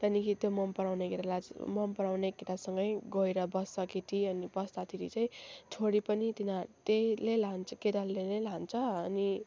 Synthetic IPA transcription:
t̪ʌnikit̪jomʌmpʌɽawnekit̪alamʌmpʌɾawnekit̪asʌŋɡʌjɡʌiɾʌbʌsʌkiʈ̪iʌnibʌst̪at̪ʰiɾḭt͡saĩt͡sʰoɽipʌnit̪inat̪elelant͡sʰʌked̪alːenelant͡sʰʌːni

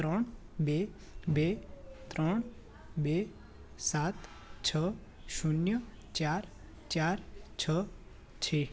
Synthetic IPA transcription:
t̪ɾəɳbe | bet̪ɾɔɳ̃ | be | sat̪ | t͡ʃʰə | ʃunjə | t͡ʃaɾ | t͡ʃaɾt͡ʃʰə | t͡ʃʰe

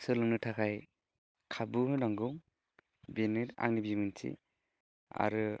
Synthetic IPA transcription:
sɯlɯŋnɯtʰakʰaj | kʰabuɦɯnaŋɡuŋ | benɯɾa̰ŋnibimɯntʰḭ | a̰ɾɯ

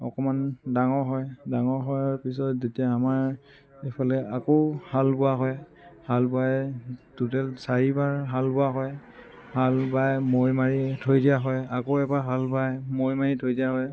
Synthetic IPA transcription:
ɔ̰kɔmandaŋɔɹɦɔjdaŋɔɹɦɔjɹpis̬ɔtzetiaːmaɹ | epʰalɛakɔʊhalbʊaɦɔj | halbʊajtutɛlsaɹibaɹɦalbʊaɦɔj | halbajmoɹmaɹitʰojdijaɦɔjakoɛbaɦalbajmoɹjmaɹitʰojdijaɦɔj

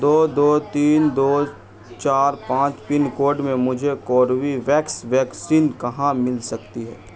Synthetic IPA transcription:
d̪oːd̪oːt̪iːnd̪oː | t͡ʃaːɾpãːt͡ʃpɪnkoːɖmẽmʊd͡ʒʱekɔːɾʋiʋɛːksʋɛːksiːnkɐɦãmɪlsɐkt̪iɦɛ̰ː

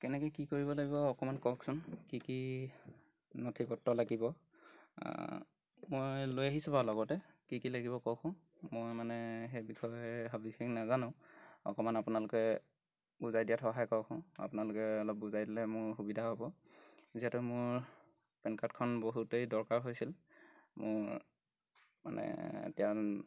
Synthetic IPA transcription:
kɛnɛkejkikoɹibɔlaɡibɔːkɔmankɔksʊnkiki | notʰipɔtːɔlaɡibɔ̰ | mojlojaɦisɔbalɔɡɔtɛkikilaɡibɔkɔkʰʊ̃ | mojmanɛxejbixʰɔjɦɔbixexnazanʊ̃ɔ̰kɔmanapunalʊkɛ | buzajdijatʰɔɦajkɔwkʰʊ̃a̰pʊnalʊkɛɔlɔp̚buzajdilɛmʊɹxubidʱaɦobɔ | ziɛtʊmʊɹ | pɛnkatkʰɔnboɦutejdɔɹkaɹɦojsilmʊ̰ɹ | ma̰nɛ̰tija

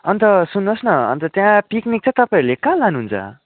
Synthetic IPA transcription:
ʌnt̪ʌsunːosnʌʌ̰nt̪ʌt̪jãpiknik̚t͡sʌ̃t̪ʌpaĩɾulekãlanuɦunt͡sʰʌ̰

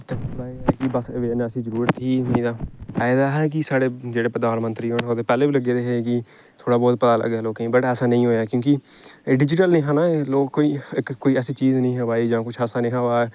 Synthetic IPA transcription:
t̪elaːekɪbəsʋeːneːəsĩːzəɾuːɾət̪iːmĩːd̪aːɛːd̪aːɦɛːk̬ɪsaːɽeːd͡ʒeːɽeːpəd̪aːnmənt̪ɾiːɦoːɳɦoːd̪eːpɛːleːbiːləɡeːd̪eːɦeːkɪ | t̪ʰoːɽaːbɔːt̪̚pət̪aːlə̰ɡɛːloːkẽːbəʈɛːsaːnə̃ĩːɦoːjaːkjõːkiɖɪd͡ʒɪʈ̬əlnĩːɦãːnaloːkkːoːiːɪkkoːiːɛːsiːt͡ʃiːznəĩːɦəʋaːiːd͡ʒãːkʊt͡ʃʰɛːsaːnĩːɦaːʋaːɛː

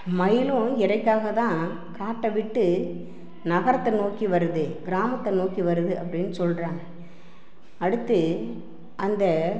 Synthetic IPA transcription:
mɐjɪlʊ̃ɪɾɐɪkːaːɣɐt̪ãː | kaːʈːɐʋɪʈːɯ | nɐɣɐɾɐt̪ːɐnoːkiʋɐɾɯðɯɡɪɾaːmɐt̪ːɐnoːkiʋɐɾɯðɯɐpːɐɽɪnːɯsɔlrãː | ɐɽɯt̪ːɯ | ʔɐnd̪ɐ

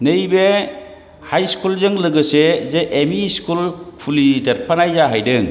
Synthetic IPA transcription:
nɯjbe | hajskulzɯŋlɯɡɯsezeʔːmiskulkʰulidɐɾ̚pʰanajzaɦajdɯŋ

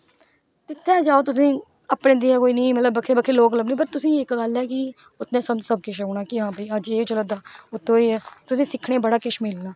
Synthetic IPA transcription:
t̪ɪt̪ʰːɛ̃ːd͡ʒaːoːt̪ʊs̬ĩː | əpɳẽːd̪iːaːkoːiːnẽːmət̪ləbːəkʰːeːbəkʰeːloːkləbnẽːbəɾt̪ʊsĩːɪkɡaːljaːkɪ | ʊt̪ʰnẽːsəmd͡ʒsəb̚kɪʃːɽ̃aːkɪɦãːpəiːəd͡ʒeːt͡ʃoləd̪aːʊt̪ʰːõːit̪ʊsĩːsɪkʰɽeːbəɽaːkɪʃmɪlnaː

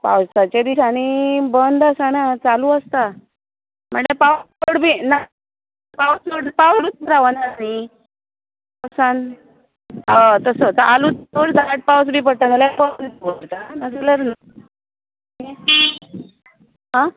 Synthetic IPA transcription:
pa̰wst̪at͡ɕed̪isañibənd̪asanat͡saluəst̪a | m̤əɳepaw | oɽbiːna | pawspoɽpawɾuːt̪̚ɾaʋənaani | ppawsan | at̪əsət̪əʔalut̪̚oɽd͡zaaʈ̚pawsbʱiːpəɽt̪analapawsnit̪boɾt̪anasiləɾna | e | ɦã

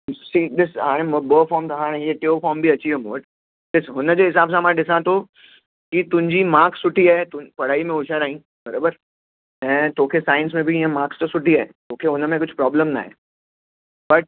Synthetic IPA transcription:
siːd̪ɪsɦaːɾɛ̃mobəːfɔːɾmt̪ɦãːɾ̃jeʈeofɔːɾmbʱiɐt͡ʃʰiɛmoːʈ | d̪ɪsɦʊnd͡ʑoɦɪsaːbs̬ãmaɗɪsãt̪o | kit̪ʊ̃ɲd͡ʑimãːksːʊʈiat̪ʊpɐɽ̤aːimẽʊʃəɾaːɦĩː | bɐɾoːbəɾ | ɛ̃ːt̪oːkʰesaːɪ̃nsmẽbʱiãmaːkst̪osʊʈiaːet̪oːkʰeɦʊnmẽk̬ʊt͡ʃʰpɾɔːbləmna̰ɦɛ̰ː | bɐʈ̚

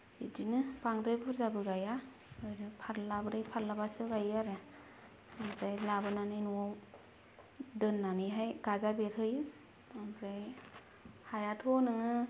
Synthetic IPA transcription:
idinɯpaŋɾebʰuɾzabɯɡaja | ɯjnɯpʰaɾlabɯɾɯjpʰaɾlabasɯɡajaɾe | abɾajlabɯnanɯnuaw | dɯnːaniɦajɡ̥azabeɾɦɯjɯ | abɾaj | hajatʰonɯŋɯ

